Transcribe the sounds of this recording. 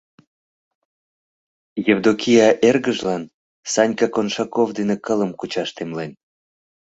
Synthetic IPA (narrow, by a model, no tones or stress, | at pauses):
jevd̪okʲijɑʔerɣəʒlɑn | sɑnʲkɑkonʃɑkovd̪enekələmkut͡ɕɑʃt̪emlen